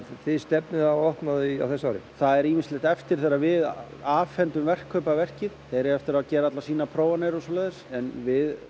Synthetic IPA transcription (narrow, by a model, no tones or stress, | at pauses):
θɪðst̪ɛpnɪðaɔhknaðia̰wθɛsaɔɾɪ̰θaðɛɾiminsleht̪ɛft̪ɪɾ̥θeɾavɪðaːfɛnt̪ʏmvɛr̥kʰːœːpavɛr̥cɪðθeɾɪɛft̪ɪɾaðcɛːɾaat̪lasiːnapʰɾoːwvanɛjɾɔsɔːlaːjðɪsɛnvɪð